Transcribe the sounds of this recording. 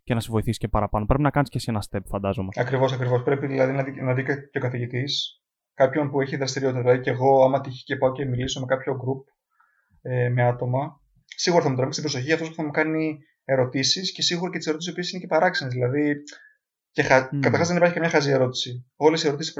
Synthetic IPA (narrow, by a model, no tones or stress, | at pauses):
cenɐsevoiθisi̥cepɐɾɐpɐno̞pɾepinɐkɐniscesenɐst̪e̞pfɐnd̪ɐzomeɐkɾivo̞s̬ɐkɾivo̞spɾe̞piðilɐðinɐinɐðikɐceo̞kɐθiʝit̪is | kɐpço̞npue̞çiðɾɐst̪iɾio̞t̪it̪ɐðilɐðiceɣo̞ɐmɐt̪içi̥ce̞pɐoce̞miliso̞me̞kɐpço̞ɡɾup̚ | eme̞ɐt̪o̞mɐ | siɣuɾɐθɐmut̪ɾɐist̪bɾoso̞çiɐft̪o̞spu̥θɐmukɐni | e̞ɾo̞t̪isisce̞siɣuɾɐcet̪iseɾoisio̞piesinece̞pɐɾɐksinezðilɐði | ce̞xɐkɐt̪ɐɾxɐzðenipɐɾçikɐmɲɐxɐzie̞ɾo̞t̪i̥sio̞lesie̞ɾo̞t̪isi̥sp